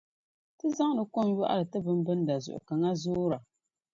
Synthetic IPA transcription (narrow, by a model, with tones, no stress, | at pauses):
tɨ˦za˦ŋ˦nɨ˨ko˦m˦jɔ˦ʔa̰˦ɾɨ˨tɨ˦bɨ˦m˦bɨ˦n˦da˨zʊ̰˨ʔʊ̰˨ka˨ŋa˦zʊː˦ɾa˨